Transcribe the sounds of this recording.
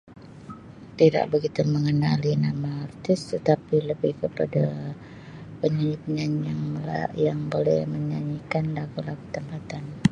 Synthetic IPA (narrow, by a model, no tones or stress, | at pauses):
t̪ida̰ʔbəɡit̪uməŋənalinamaːrt̪ɪst̪ət̪apiləbɪhkəpada | pəɲaɲipəɲaɲaŋjaŋbolɛhməɲaɲikanlaɡulaɡut̪əmpat̪an